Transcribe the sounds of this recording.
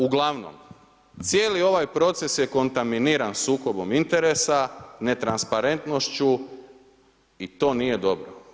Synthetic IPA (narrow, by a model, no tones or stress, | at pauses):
uɡlˠaʋno̰m | t̪sjeːlio̞ʋajpɾo̞t̪se̞sje̞ko̞nt̪aminiɾansuːko̞bo̞mint̪e̞ɾesane̞t̪ɾanspaɾe̞nt̪no̞ʃt͡ɕu | it̪o̞ːnije̞d̪o̞bɾo